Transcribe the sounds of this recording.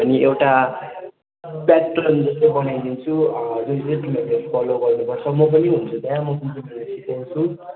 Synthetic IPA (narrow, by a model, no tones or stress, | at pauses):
ʌniʔewʈa | patʈrʌnd͡zʌst̪ojbʌnajd̪int͡sʰud͡zunseʈimeɡepʰʌloɡʌrnupʌrt͡sʰʌmʌp̬ʌniɦunt͡sʰud̪ajãmʌkʌnt͡sinidesit̪ant͡sʰu